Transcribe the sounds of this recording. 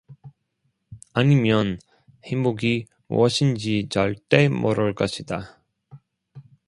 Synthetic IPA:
aɲimjʌn | heŋbuɡi | mṵʌɕʰind͡ʑit͡ɕʌɭt͈e̞mʔʌɾʌɭk͈ʌɕʰida

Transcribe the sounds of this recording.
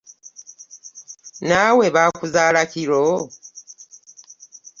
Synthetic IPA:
nawe̞βaːkuzaːlaciɾo

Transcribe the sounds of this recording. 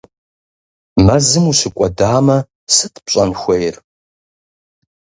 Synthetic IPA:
mɐzɨmuɕɨkʷʼɔdaːmɐ | sɨtʰpɕʼɐnxʷejr

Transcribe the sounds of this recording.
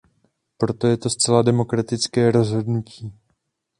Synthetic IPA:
pɾo̞t̪o̞jɛt̪o̞st͡sɛladɛmo̞kɾat̪ɪt͡skɛːɾo̞zɦo̞dnuciː

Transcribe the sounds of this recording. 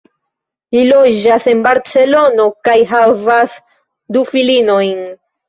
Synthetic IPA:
lilo̞d͡ʒase̞nbaɾt͡se̞lo̞no̞kajɦavas | dufilino̞jn

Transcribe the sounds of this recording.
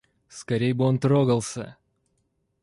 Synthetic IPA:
skɐɾʲejbɨo̞nt̪ɾoɡəlˠsʲə̰

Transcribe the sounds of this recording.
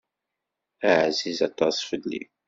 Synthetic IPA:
aʕzizɑt̪ˤːɑsˤfəlːḭ

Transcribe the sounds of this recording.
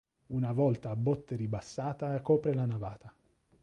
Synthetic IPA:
unavɔlt̪aːbːɔt̪ːeɾibasːaːt̪akɔːpɾelanavaːt̪a

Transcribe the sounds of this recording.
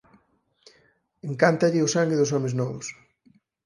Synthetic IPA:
eŋkant̪ɐʎɪʊsaŋɡɪðʊs̬ɔmɪznɔβʊs

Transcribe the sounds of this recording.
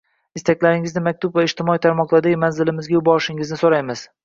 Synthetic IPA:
ɪst̪ʰakʲlaɾɪŋɪznɪmak̚ʲt̪ʊbvaɪʃt̪ɪmɒit̪ʰaɾmɒqlˠaɾd̪aɡʲɪmanzɪlɪmɪzɡʲajʊbɒɾɪʃɪŋɪznɪsoɾajmɪz̥

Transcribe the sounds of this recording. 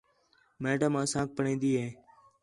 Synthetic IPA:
meːʈaːmãːsãːk̚pəɳĩːnd̪iːɦeː

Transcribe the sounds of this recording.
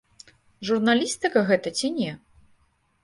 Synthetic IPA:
ʐurnalʲist̪ɨkɐɣɛt̪ɐt͡sʲinʲɛ

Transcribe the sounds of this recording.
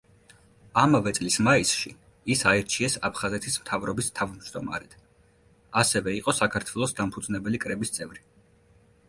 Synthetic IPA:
amavɛt̪sʼlismaisʃi | isaɛɾt͡ʃʰiɛsa̰pʰχazɛt̪ʰismt̪ʰavɾɔbist̪ʰavmd͡ʒd̪ɔma̰ɾɛt̪ʰ | asɛvɛiqʼɔsakʰaɾt̪ʰwɛlˠɔsd̪ampʰud̪znɛbɛlikʼɾɛbist̪sʼɛvɾi

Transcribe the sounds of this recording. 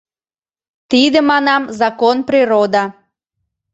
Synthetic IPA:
t̪id̪ə̆mɑnɑmzɑkonpriɾod̪ɑ

